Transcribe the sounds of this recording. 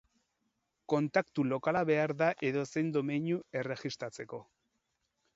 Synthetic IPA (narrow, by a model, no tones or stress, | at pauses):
ko̞nt̪akt̪ulo̞kalaβe̞aɾðaʔe̞ðo̞se̞jnd̪o̞meɲue̞re̞ɣist̪ɾat͡se̞ko̞